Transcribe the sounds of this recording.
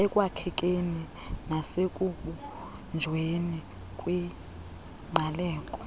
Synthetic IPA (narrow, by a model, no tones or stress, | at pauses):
ɛkʼwakʰɛk̬ʼeni | nasekʼuɓu | nd͡ʒʱweni | kʼwi | malɛːkʼɔ̥